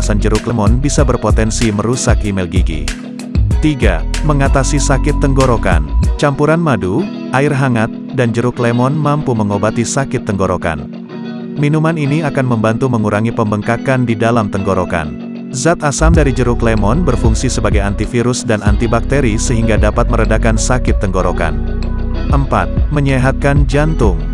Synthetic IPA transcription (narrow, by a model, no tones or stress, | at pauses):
sand͡ʒəɾuklemɔnbisabərpot̪ɛnsiməɾusakimɛlɡiɡḭ | t̪iɡa̰məŋat̪asisakɪt̪ːəŋɡoɾoka̰nt͡ʃampuɾanmadu | ʔaɪrɦaŋat̪̚dand͡ʒəɾuklemɔnmampuməŋobat̪isakɪt̪ːəŋɡoɾoka̰n | minumaniniakanməmbant̪uməŋuɾaŋipəmbəŋkakandidalamt̪əŋɡoɾoka̰n | zat̪asamdaɾid͡ʒəɾuklemɔnbərfuŋsisəbaɡajant̪ifiɾʊsdanant̪ibak̚t̪eɾisəɦiŋɡadapat̪̚məɾədakansakɪt̪ːəŋɡoɾoka̰n | ʔəmpa̰t̪̚məɲeɦat̪̚kand͡ʒant̪ʊŋ